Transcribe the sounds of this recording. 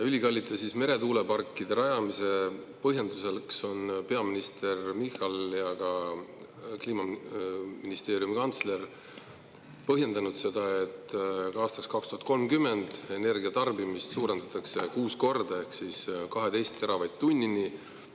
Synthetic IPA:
jylʲikɑlʲːit̪ːˑesisme̞ɾe̞t̪uːle̞pɑrkːid̪̥e̞ɾɑjɑmise̞ | pɤɦje̞nd̪uselkso̞npe̞ɑminist̪e̞rmihɑljɑkɑ | kliːmɑ | minist̪e̞ːɾijumikɑnt̪sle̞r | pɤɦje̞nd̪ɑnud̪̥se̞d̪̥ɑe̞t̪ːɑːst̪ɑkskɑkst̪uhɑt̪̚ko̞lmkymːe̞nd̪̥e̞ne̞rɡiɑt̪ɑrbimist̪suːɾe̞nd̪̥ɑt̪ːˑɑkse̞kuːsko̞rd̪̥ɑe̞hksiːskɑɦe̞d̪e̞jst̪ːeɾɑvɑjd̪̥̚t̪unʲːini

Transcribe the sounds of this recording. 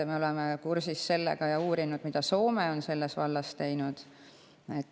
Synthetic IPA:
me̞o̞lemekursisːe̞lːḛɡ̥ɑjɑuːɾinud̪̥mid̪̥ɑso̞ːmeo̞nse̞lːesvɑlːɑst̪e̞jnud̪̥ | et̪ː

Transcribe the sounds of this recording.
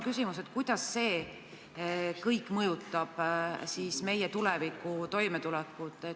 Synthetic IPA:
kysimuset̪kujd̪̥ɑsːe̞ː | kɤjkˑːmɤjut̪ːˑɑb̥siːsme̞jet̪ulɛvikːˑut̪o̞jmet̪ulɛkːˑut̪ˑe

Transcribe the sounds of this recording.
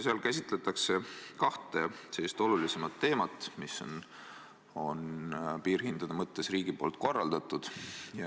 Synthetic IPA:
seɑlkæsʲit̪ˑle̞t̪ːˑɑkse̞kɑht̪e̞se̞lːist̪o̞lulise̞mɑt̪ːe̞ːmɑt̪ːˑmisːo̰n | o̞npiːrhind̪̥ɑd̪̥ɑmɤt̪ˑːe̞sriːɡ̥ipo̞̰ːlt̪̚ˑko̞rːɑld̪̥ɑt̪ːˑud̪̥jɑ

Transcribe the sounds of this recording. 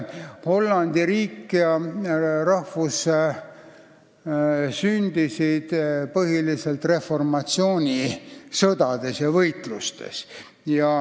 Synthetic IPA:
ho̞lːɑnd̪̥iɾiːkːiɑ | rɑhvus | synʲd̪̥isid̪̥pɤɦiliselt̪re̞fo̞rmɑt̪sio̞ːnʲisɤd̪̥ɑd̪̥e̞sjɑvɤjt̪lust̪e̞̰s | jɑ

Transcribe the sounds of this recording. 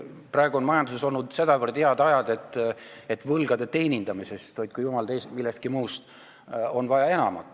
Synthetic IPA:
prɑe̞ɡuo̞nmɑjɑnd̪useso̞lnud̪̥se̞d̪̥ɑvərd̪̥eɑd̪ɑjɑd̪̥e̞t̪ːe̞t̪ːˑvɤlɡ̥ɑd̪e̞t̪e̞ːnʲind̪ɑmise̞st̪vɑjd̪̥̚kujumɑld̪ejsmilːest̪kimuːst̪ | o̞nvɑjɑe̞nɑ̰mɑ̰t̪ːˑ

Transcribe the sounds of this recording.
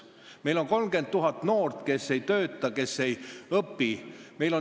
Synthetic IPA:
me̞jlo̞nko̞lmɡ̥e̞nt̪̚t̪ːuɦɑt̪ːˑno̞ːrt̪ke̞sːe̞jt̪ø̞ːt̪ːˑɑke̞sːe̞jɤpːime̞jlo̞

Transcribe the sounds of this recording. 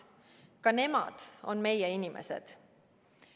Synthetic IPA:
kɑne̞mɑ̰d̪̥o̞̰nme̞jeinimʔe̞̰sḛd̪̥

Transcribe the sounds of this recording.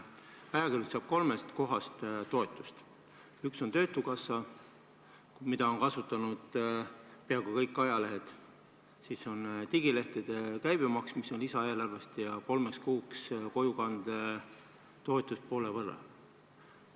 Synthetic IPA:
ɑjɑkylsɑb̥̚ko̞lmest̪ko̞ɦɑst̪t̪o̞et̪ːˑu̥st̪ | ykso̞nt̪ø̞ːt̪ːˑukɑsːɑ | mid̪̥ɑo̞nkɑsut̪ːˑɑnud̪̥ | peɑɡukɤjkːˑɑjɑle̞ɦed̪̥ | siːso̞nt̪iɡile̞ht̪id̪̥ekæjbemɑksmiso̞nlisɑeelɑrvest̪jɑko̞lmekskuːksko̞jukɑnd̪̥e | t̪o̞et̪ːˑust̪̚po̞ːlevɤrːɑ̰

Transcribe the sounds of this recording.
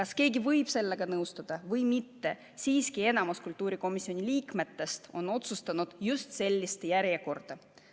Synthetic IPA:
kɑske̞ːɡivɤjb̥se̞lːe̞ɡ̥ɑnɤwst̪ɑd̪̥ɑvɤjmit̪ːe̞ | siːskie̞nɑmuskult̪ːˑuːɾiko̞misːio̞nʲilʲiːkme̞t̪ːe̞st̪o̞no̞t̪sust̪ɑnud̪̥just̪se̞lʲːist̪jæɾje̞ko̞rd̪̥ɑ

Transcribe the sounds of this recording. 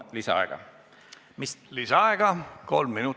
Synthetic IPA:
lisɑ̰ɑ̰ˑeɡ̥ɑ̰ | mislisɑɑeɡ̥ɑko̞lmːinu

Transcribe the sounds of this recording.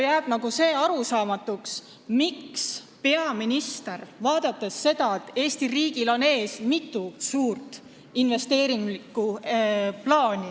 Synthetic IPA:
jæːb̥nɑɡ̥use̞ːɑɾusɑːmɑt̪ːˑuks | miks | pe̞ɑminist̪e̞rvɑːd̪̥ɑt̪ːˑe̞sːe̞d̪ɑet̪ːe̞ːst̪iriːɡilo̞ne̞ːsmit̪ˑːusuːrt̪ˑ | inve̞st̪e̞ːɾiŋɡlikːˑu | plɑːnʲi

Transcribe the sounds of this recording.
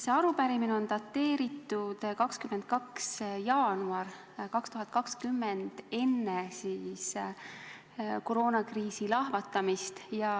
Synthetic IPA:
seɑɾupæɾimineo̞nt̪ɑt̪ːe̞ːɾit̪ːˑud̪̥kɑkskymːend̪̚kɑksjɑːnuɑr | kɑkst̪uɦɑt̪̚ˑkɑkskymːend̪̥e̞nːesiːs | ko̞ɾo̞ːnɑkriːsilɑhvɑt̪ːˑɑmist̪jɑ

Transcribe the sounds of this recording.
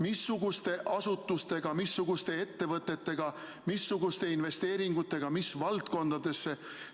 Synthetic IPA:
misːuɡust̪e̞ʔɑsut̪ˑːust̪e̞ɡ̥ɑmisːuɡ̥ust̪e̞e̞t̪ːe̞vɤt̪ːˑet̪ːe̞ɡ̥ɑ | misːuɡust̪e̞inve̞st̪e̞ːɾiŋɡut̪ːˑe̞ɡ̥ɑmisvɑlt̪̚ko̞nd̪̥ɑd̪̥e̞sːe̞

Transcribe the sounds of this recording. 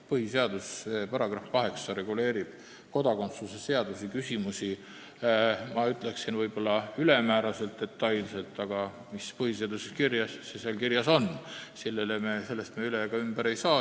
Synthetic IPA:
pɤhise̞ɑd̪̥ussepɑɾɑɡ̥rɑfkɑɦe̞ksɑɾe̞ɡ̥ule̞ːɾib̥ | ko̞d̪ɑko̞nt̪sluse̞se̞ɑd̪̥usikysʲimusi | mɑyt̪ːˑle̞ksinvɤjb̥o̞lːɑylemæːɾɑse̞lt̪ːe̞t̪ːɑjlse̞lt̪ːˑɑɡ̥ɑ | mispɤhise̞ɑd̪usekirjɑsseselkirjɑso̞nsilːe̞lemese̞lːe̞st̪meyleɡ̥ɑymb̥æɾe̞jsɑː

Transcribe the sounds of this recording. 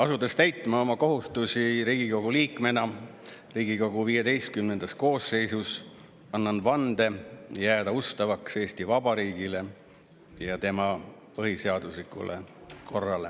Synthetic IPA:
ɑsud̪est̪æjt̪ˑmɑo̞mɑko̞ɦust̪usiɾiːɡ̥iko̞ɡ̥uliːkˑme̞nɑ | riːɡiko̞ɡ̥uviːjed̪e̞jst̪̚kymne̞nd̪̥ɑsko̞ːsːe̞jsus | ɑnːɑnvɑnd̪e̞jæːd̪̥ɑust̪ɑvɑkse̞ːst̪ivɑb̥ɑɾiːɡ̥ile̞ | jɑt̪e̞mɑpɤɦiseɑd̪̥uslikˑṵlḛkʰo̞rːɑle̞

